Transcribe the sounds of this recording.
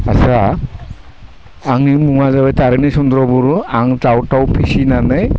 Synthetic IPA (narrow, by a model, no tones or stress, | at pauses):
asa | ŋnimuŋazabajtaɾɯnisundɾɔbuɾuaŋtawtawpʰisinanɯj